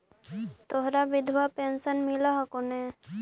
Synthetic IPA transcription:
t̪oɦɾabɪd̪ʱʋapeːnsənmɪlaɦɔkone

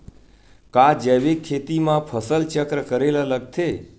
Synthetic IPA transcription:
kad͡ʒeʋekʰːet̪imãpʰəsəlt͡ʃəkɾəkəɾelaləɡ̚t̪ʰe

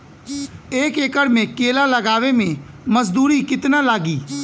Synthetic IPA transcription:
eːkeːkəɾmẽkeːlaləɡaːʋemẽ | məzd̪uːɾikɪt̪nalaːɡiː

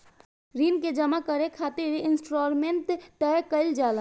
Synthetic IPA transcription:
ɾiːnked͡ʒəmakəɾekʰaːt̪eʋiʔɪnsʈɾoːɾmẽnʈ̪ːɛkəɪld͡ʒaːlã

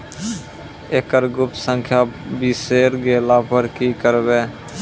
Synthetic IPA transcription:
eːkəɾɡʊp̚t̪sə̃ŋkʰjaːbiseːɾɡeːlaːpəɾkikəɾbeː

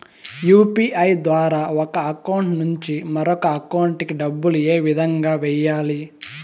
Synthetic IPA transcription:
juːpiːʔɐjd̪ʋaːɾaːɔkɐɐkɐwuɳʈnuɲt͡ʃimɐɾɔkɐːkɐwuɳʈikiɖɐbːulueːʋid̪ʱɐŋɡaːʋɛjaːli

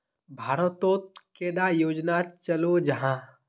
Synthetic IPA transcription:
bʱaːɾət̪oːt̪̚keːɖ̪ajoːd͡ʒnat͡ʃəlod͡ʒɐɦãː

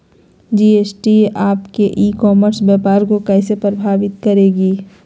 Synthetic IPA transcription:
d͡ʒiːeːsʈiʔaːpkeʔiːkɔːməɾsbɛːpaːɾkokɛːsepɾɐbʱaːʋɪt̪kɐɾeːɡiː

